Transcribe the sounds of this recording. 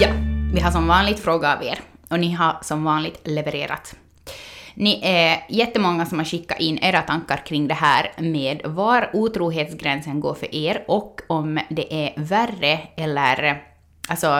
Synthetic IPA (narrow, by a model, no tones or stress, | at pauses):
jɑːvɪɦaʂɔmvɑːnlɪɡ̚t̪fɾoːɡaːvḛːɾɔnɪɦaʂɔmvɑːnlɪɡ̚t̪lɛvɛɾḛːɾa̰t̪ | nɪʔæɾjɛt̪ːəmɔŋːasɔmhaɾɕɪkːa̰ʔɪnːʔeːɾat̪ʰaŋkːaɾkʰɾɪŋːd̪ɛɦæːɾmeːd̪vaɾuːt̪ʰɾuːɦeːt̪sɡɾɛnsənɡoːɾfœ̰ɾʔeːɾɔkːɔmd̪ɛʔæɾværːəɛlːəɾ | ʔalsɔ